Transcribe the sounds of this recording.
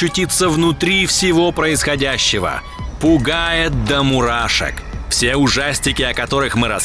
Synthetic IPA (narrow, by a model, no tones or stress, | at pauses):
ʊtʲit̪sːəvnʊt̪ɾʲifsʲɪvo̞pɾəɪsxɐdʲæɕːɪvə̰ | pʊɡajɪt̪̚d̪əmʊɾaʂɨ̰kfsʲeʊʐasʲtʲɪkʲɪɐkɐt̪o̞ɾɨxmɨɾɐ̰s